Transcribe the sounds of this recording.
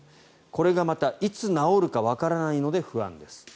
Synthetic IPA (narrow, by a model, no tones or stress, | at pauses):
ko̞ɾe̞ɡamat̪ait͡sɨnao̞ɾɯ̟kaβakaɾanaino̞d̪e̞ɸɯ̟ã̰nd̪e̞sɨ̥